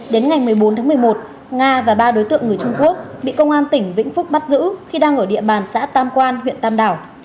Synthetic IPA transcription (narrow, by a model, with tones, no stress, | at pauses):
ɗe˨˦nŋa˨˩jmɨ˨˩əjɓo˨˦nt̪ʰaː˨˦mɨ˨˩əjmo˨˩t̚ | ŋaː˧vaː˨˩ɓaː˧ɗo˨˦jt̪ɨ̰˧˨əŋːɨ˨˩əjt͡ɕʊ˧ŋ͡mku˦˥ək̚ɓḭ˧˨kə˧wŋ͡mʔaː˧nt̪ï˧˩ŋ̟vḭ̈˧˥ŋ̟fʊ˦˥k͡p̚ɓa˦˥t̚zɨ̰˧˥xi˧ɗaː˧ŋʔəː˧˩ɗḭ˧˨əɓaː˨˩nsa̰ː˧˥t̪aː˧mkwaː˧nɦwḭ˧˨ənt̪aː˧mɗaː˧˩w